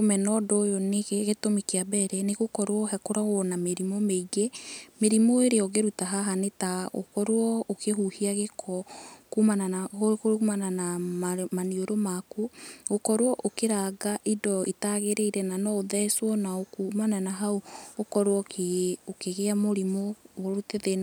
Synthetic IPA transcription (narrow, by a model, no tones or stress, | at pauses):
omɛnɔdojoneɣeɣetomikeabɛɾɛneɣokɔɾwɔɦɛkoɾaɣwɔnameɾimomeiɣemeɾimoeɾeɔɣeɾutaɦaɦanetaɣo̰kɔɾoɔokeɦuhiaɣekʰɔkumananaokoumananamanioɾomakuɣokɔɾwɔʔokeɾaɡaʔidɔitaɣeɾeiɾɛnanɔoðɛswɔnaokumananaɦaookɔɾwɔkʰeokeɣeamoɾimoɣoɾuteðe